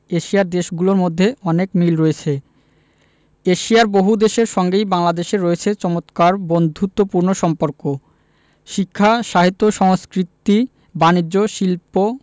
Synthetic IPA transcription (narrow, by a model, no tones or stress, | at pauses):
eʃiaɾd̪eʃɡuloɾmod̪ʱːeɔnekmilɾɔet͡ɕʰe | eʃijaɾboɦud̪eʃeɾʃɔŋɡejbaŋlad̪eʃeɾɔet͡ɕʰet͡ɕɔmot̪kaɾbond̪ʱut̪ːopuɾnoʃɔmpoɾko | ʃikʰːaʃaɦit̪ːoʃɔŋskɾit̪ːi | banid͡ʑːoʃilpo